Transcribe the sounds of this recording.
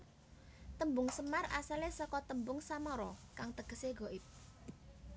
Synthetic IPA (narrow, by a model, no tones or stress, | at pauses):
t̪əmbʊŋsəmarasalesɔkɔt̪əmbʊŋsamɔɾɔkaŋt̪əɡ̥əseɡɔ̤ʔɪp̚